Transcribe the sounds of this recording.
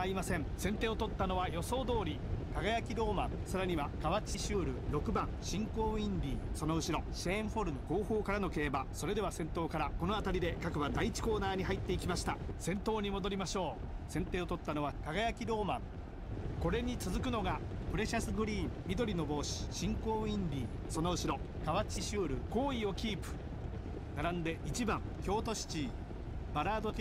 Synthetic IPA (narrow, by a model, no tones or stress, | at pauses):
aɾʲimasẽ̞ɴsẽ̞nt̪e̞ːo̞t̪o̞t̪ːano̞βajo̞so̞ːd̪o̞ːɾʲikaɡajakʲiɾo̞ːmãŋsaɾaɲ̟iβakaβat͡ɕiɕɨːɾɯ̟ɾo̞kɯ̟bãŋɕĩŋko̞ːĩnɾʲiːso̞no̞ɯ̟ɕiɾo̞ɕẽɰɸo̞ɾɯ̟no̞ko̞ːho̞ːkaɾano̞ke̞ːbaso̞ɾe̞d̪e̞βasẽ̞nt̪o̞ːkaɾako̞no̞at̪aɾʲid̪e̞kakɯ̟βad̪ait͡ɕi̥ko̞ːnaːɲ̟iɦait̪ːe̞ikʲimaɕi̥t̪asẽ̞nt̪o̞ːɲ̟imo̞d̪o̞ɾʲimaɕo̞ː | sẽ̞nt̪e̞ːot̪ot̪ːano̞βakaɡajakʲiɾo̞ːmãŋ | ko̞ɾe̞ɲ̟it͡sɨzɨkɯ̟no̞ɡapɯ̟ɾe̞ɕasɨɡɯ̟ɾʲiːmmʲid̪o̞ɾʲino̞bo̞ːɕi̥ɕĩŋko̞ːĩndʲiː | so̞no̞ɯ̟ɕiɾo̞ | kaβat͡ɕiɕɨːɾɯ̟ko̞ːio̞kʲiːpɯ̟̥ | naɾãnd̪e̞ʔit͡ɕibãŋkʲo̞ːt̪o̞ɕi̥t͡ɕiː | baɾaːd̪o̞kʲ